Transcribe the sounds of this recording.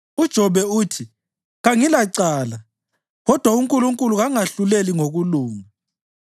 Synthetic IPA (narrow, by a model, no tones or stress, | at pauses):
ud̥ʒ̥ʱɔβɛuːtʰi | ɣaŋilaǀaːla | ɣɔd̥ʱwauŋkʼuluŋkʼuluɣaŋaɬuleliŋoɣuluːŋa